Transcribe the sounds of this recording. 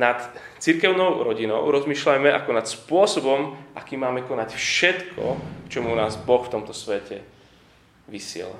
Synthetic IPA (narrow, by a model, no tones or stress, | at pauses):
nat̪t͡siɾkɛʊnɔʊɾɔɟinɔʊɾɔzmiːʃlajmɛa̰kɔnat̪spʊɔsɔbɔmʔa̰kiːmːaːmɛkɔnacfʃɛt̪kʰɔ̰kt͡ʃɔmunaːzbɔxft̪ɔmt̪ɔsʋɛcɛ | ʋisɪɛ̰la̰